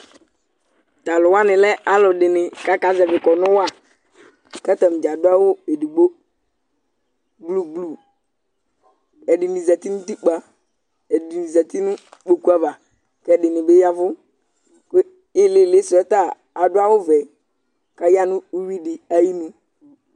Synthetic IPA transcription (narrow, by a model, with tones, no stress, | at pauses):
t̪a˨lʊ˨wa˦nɪ̃˨lɛ˦a˦lɔ˨ɖɪ˨nɪ˨ka˦ka˨zɛ˨vɪ˨kɔ˨nʊ̃˦wa˦˨ | kɛ˦t̪ɛ˨m˨d͡ʒa˨dʊ˦a˦wo˦e˨di˨ɡ͡bo˦ | ɡ͡blu˦ɡ͡blu˨ | ɛ˨dɪ˨nĩ˨zɛ˨t̪i˦nʊ̃˦t̪i˦k͡pa˦ | ɛ˨dɪ˨ni˨zɛ˨t̪i˦nʊ̃˦k͡po˨ku˦a˨va˨ | kɛ˦˨dɪ˨nɪ˨be˦ja˦vʊ˦ | k | ɪ˦le˦˨le˦sɛ˦t̪a˦˨ | a˨dʊ˦a˦wʊ˦vɛ˨ | ka˦ja˦nʊ̃˦u˦wi˦dɪ˨a˦ji˦nũ˦